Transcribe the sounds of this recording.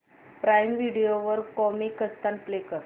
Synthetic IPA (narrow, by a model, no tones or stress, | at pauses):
pɾajmʋiɽijoʋəɾkɔmikəst̪anplekəɾ